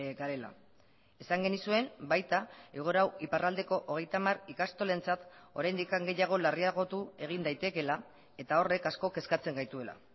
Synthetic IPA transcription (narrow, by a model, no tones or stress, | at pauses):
ɡaɾe̞la̰ | e̞saŋɡe̞nisue̞nbajt̪aeɣ̞o̞ɾawiparald̪e̞ko̞ʔoɣ̞e̞jt̪amarikast̪o̞le̞nt͡sat̪ | o̞ɾajnd̪ikaŋɡe̞jaɣ̞o̞lariaɣo̞t̪ue̞ɣ̞ind̪ajt̪e̞ke̞la | e̞t̪ao̞re̞kasko̞ke̞skat͡se̞ŋɡajt̪ue̞la̰